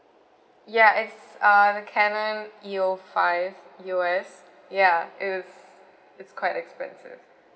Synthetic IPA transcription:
jaʔɪtsʌðəkʰɛnə̃niofaɪvjuɛs | jaɪs | ɪtskʰw̥aɪtɛkspɛ̰̃nsɪ̰v̥

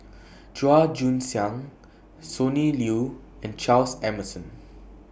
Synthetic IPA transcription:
d͡ʒuad͡ʒũnsãŋ | soniljuɛ̃nt͡ʃalsɛməsɔ̃n

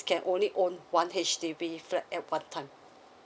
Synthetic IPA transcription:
kɛ̃nʔõnliʔõnwãnɦɛʃtebiflɛtɛt̚wãntʰãɪ̃m

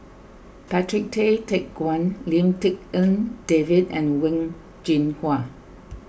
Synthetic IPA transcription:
pætɹɪk̚tʰetʰek̚ɡ̥wãnlĩmtɪk̚ə̃nd̥evɪdɛ̰̃nwɪ̃ŋ | d͡ʒĩnhwa

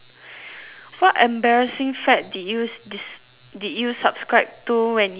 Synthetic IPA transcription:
fɔʔʔɛ̃mbɛɹəsɪ̃ŋfɛt̚dijud | didjusapskɹaɪp̚tuwɛ̃nj

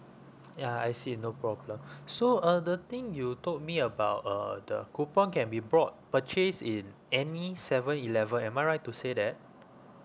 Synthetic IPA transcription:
jaajsinopɹɔblə̃msoʌdət̪ĩŋjutot̚miəbawtʌ̰də̰kupɔ̃nkɛ̃nbibɹɔt̚pət͡ʃesĩn | ɛnisɛvə̃nilɛvə̃nɛ̃majɹajttːusedɛt̚

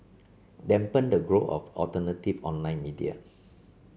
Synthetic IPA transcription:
dɛ̃mpə̃ndəɡɹoʔɔ̰fɔ̰ltənətifɔ̃nlãj̃nmidia̰

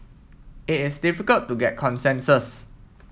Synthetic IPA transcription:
ɪtɪsdifikəltːuɡɛt̚kʰɔ̃nsɛ̃nsəs

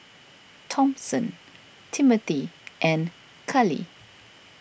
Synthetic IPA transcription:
tʰɔ̃msə̃n | tʰimət̪iʔɛ̃n | kʰalḭ

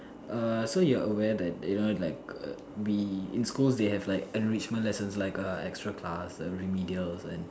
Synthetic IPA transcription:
ʔʌsojuəʔəwɛdɛt̚unolaɪk̚ | wiḭ̃nskulsdehɛvlaɪkɛ̃nɹit͡ʃmə̃ntlɛsə̃nslaɪkəɛ̰kstɹakʰlasə̰ɹimidiəlsɛ̰̃n

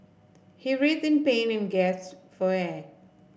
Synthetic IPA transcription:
hiɹitɪ̃npẽːnɪ̃nɡɛsfɔɛ

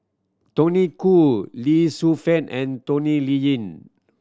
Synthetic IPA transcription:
tonikulisufɛ̃nɛ̃ntonilijĩn

